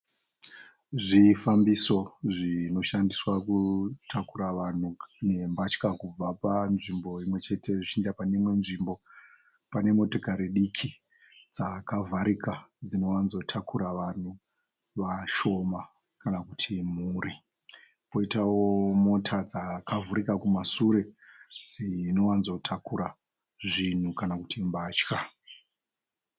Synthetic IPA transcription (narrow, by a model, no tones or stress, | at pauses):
ʐifambiso̞ʐino̞ʃandiswakutʰakuɾaʋan̤une̞mbat͡ʃkakub͡vapanʐimbo̞imwe̞t͡ʃe̞tʰe̞ʐit͡ʃindapanemwe̞nʐimbo̞ | pane̞mo̞tokaɾiɗikʰi | d͡zakavʱaɾikad͡zino̞wanzo̞tʰakuɾaʋan̤u | ʋaʃo̞ma | kanakutʰimuːɾi | po̞itawomo̞tʰad͡zakavuɾikakumasuɾe̞d͡zino̞wanzotʰakuɾa | ʐin̤ukanakutʰimbaːt͡ʃka